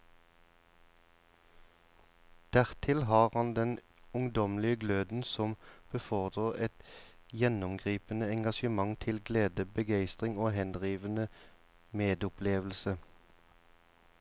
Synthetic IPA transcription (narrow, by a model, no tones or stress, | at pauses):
d̪̥æʁt̪ʰɪlɦɑːʁhɑnd̪ɛn | ʊŋd̪ɔmlɪəɡløːd̪n̩sɔmb̥əfɔʁd̪ʁəʁɛt̪jɛnʊmɡʁiːpənəɛŋɡɑʃəmɑŋt̪ʰɪlɡleːd̪əbəɡæɪst̪ʁɪŋoːɦhɛnd̪ʁiːʋənə | meːd̪ʊpʰleːʋl̩sə